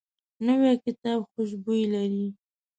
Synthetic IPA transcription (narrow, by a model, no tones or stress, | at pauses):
nəwekɪt̪ɑbxʊʃ̬bujlaɾi